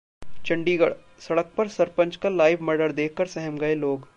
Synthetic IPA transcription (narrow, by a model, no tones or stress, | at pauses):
t͡ʃɐ̃ɳɖiɡ | sɐɽək̚pɐɾsɐɾpə̃ɲt͡ʃkalaːɪʋmɐɾɖəɾd̪eːkʰkɐɾsɛɦɛmɡɐeloːɡ